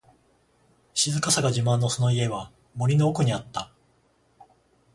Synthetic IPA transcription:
ɕizɨkasaɡaʑimãnːo̞sono̞ie̞βa | mo̞ɾʲino̞ːkɯ̟ɲ̟iat̪ːa

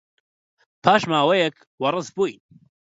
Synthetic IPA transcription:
pʰaːʃmaːwɛjɛk | wɐɾrɨzbuːjn

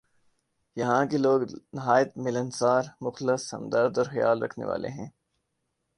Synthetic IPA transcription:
jɐɦãkeloːɡnɪɦaːjət̪mɪlənsaːɾmʊxlɪsɐ̰̃md̪əɾd̪ɔːɾxɐja̰ːlɾɐ̰kʰnḛʋa̰ːlḛɦɛ̰̃ː

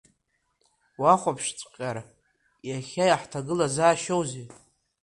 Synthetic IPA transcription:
waχʷapʰʂt͡sʷʼqʲʼaɾ | jaχʲajaħtʰaɡɨlazaːʃowzi

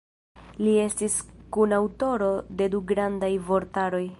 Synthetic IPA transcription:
lie̞stiskunawto̞ɾo̞de̞duɡɾandajvo̞ɾtaɾo̞j

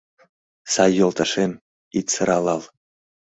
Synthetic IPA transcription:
sɑjːolˠt̪ɑʃen | it̪səɾɑlɑlˠ

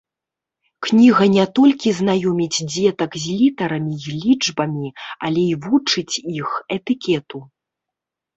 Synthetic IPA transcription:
knʲiɣɐnʲɛt̪ɔlʲkʲiznajɔmʲid͡zʲd͡zʲɛt̪ɐkzʲlʲit̪ɐɾɐmʲilʲid͡ʐbɐmʲia̰lʲɛivut͡ʂɨt͡sʲixɛt̪ɨkʲɛt̪u

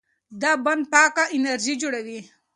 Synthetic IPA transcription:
d̪aband̪̚pɑːkaʔɪnaɾʒid͡ʒuɽawi

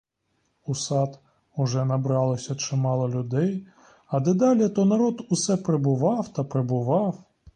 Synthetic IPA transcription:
usɑt̪ | ʊʒɛnɐbɾɑlˠɔsʲɐt͡ʃɪmɑlˠɔlʲʊd̪ɛj | ɐd̪ɛd̪ɑlʲɪt̪ɔnɐɾɔd̪ʊsɛpɾebʊʋɑwt̪ɐpɾebʊʋɑw

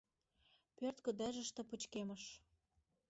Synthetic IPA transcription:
pørt̪kə̆d̪æʒə̆ʃt̪ɤ̆put͡ɕkeməʃ

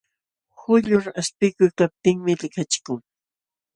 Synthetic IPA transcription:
hʊʎʊɾaspɪkʊjkap̚t̪ɪŋmɪlɪkat͡ʃɪ̥kʊŋ

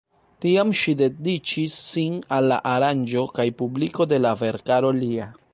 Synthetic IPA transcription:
tiamʃide̞dit͡ʃisːinalːa̰ʔaɾand͡ʒo̞kajpubliko̞de̞lave̞ɾkaɾo̞lia

